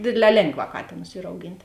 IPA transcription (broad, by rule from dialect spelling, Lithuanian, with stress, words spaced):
ˈdʲeːdʲˌlʲɛː ˈlʲeːŋˌɡʋɑː ˈkɑːtʲeːnʊs ˈiːr ɐʊˈɡʲɪnʲtʲ